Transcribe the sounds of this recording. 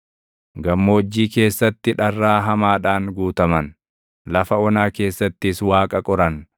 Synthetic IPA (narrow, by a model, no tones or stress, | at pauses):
ɡɐmːo̞ːd͡ʒːiːke̞ːsːɐt̪ːɪᶑɐrːaːɦɐmaːᶑaːnɡuːt̪ɐmɐn | lɐfɐɔnaːke̞ːsːɐt̪ːɪswaːkʼɐkʼɔɾɐn